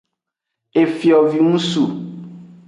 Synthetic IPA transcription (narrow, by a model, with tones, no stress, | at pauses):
e˨fi˨ɔ˨vi˨ŋũ˦su˨